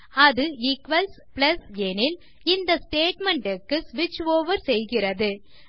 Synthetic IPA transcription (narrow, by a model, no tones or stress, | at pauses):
ɐðɯɪkʋɐls | plɐsɛnɪl | ɪnd̪ɐsʈeːʈmɛɳɖɪkːɯsʋɪt͡ʃːoːʋɐɾsɛjɣɪrɐðɯ